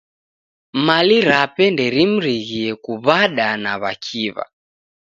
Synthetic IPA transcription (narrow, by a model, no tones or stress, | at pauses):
maliɾapɛndɛɾim̩ɾiɣiɛkuβaɗanaβa̰kʰiβa̰